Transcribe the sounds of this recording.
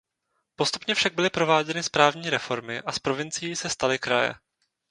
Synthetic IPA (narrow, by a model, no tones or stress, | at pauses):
po̞st̪upɲɛfʃaɡ̚bɪlɪpɾo̞vaːɟɛnɪspɾaːvɲiːɾɛfo̞ɾmɪʔaspɾo̞vɪnt͡sɪjiːsɛst̪alɪkɾajɛ̰